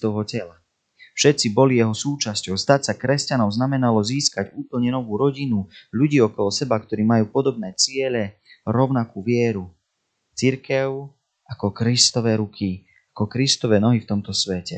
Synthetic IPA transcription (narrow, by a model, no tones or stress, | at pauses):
t̪ɔɦɔcɛla | fʃɛt̪t͡sibɔlijɛɦɔsuːt͡ʃascɔʊst̪acsakɾɛscanɔʊznamɛnalɔziːskaɟuːpl̩ɲɛnɔʋuːɾɔɟinuʎuɟiːɔkɔlɔsɛbakt̪ɔɾiːmajuːpɔd̪ɔbnɛːt͡sɪɛʎɛ | ɾɔʊnakuːʋɪɛɾu | t͡siɾkɛʊ | ʔakɔkɾist̪ɔʋɛːɾukʰi | akɔkɾist̪ɔʋɛːnɔɦift̪ɔmt̪ɔsʋɛcɛ